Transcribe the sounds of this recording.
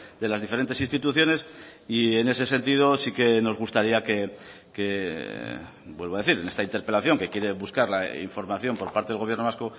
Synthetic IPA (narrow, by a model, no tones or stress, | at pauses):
d̪e̞lazðifeent̪e̞sinst̪it̪uθjo̞ne̞sie̞ne̞s̬e̞s̬e̞nt̪ið̞o̞sike̞no̞zɣust̪aɾiake̞ | ke | bwe̞lβaðe̞θiɾene̞st̪aint̪eɾpe̞laθjo̞ŋke̞kje̞ɾe̞βuskaɾla̰ḭɱfo̞ɾmaθjo̞mpo̞ɾpaɾt̪eeɣo̞βje̞ɾnoasko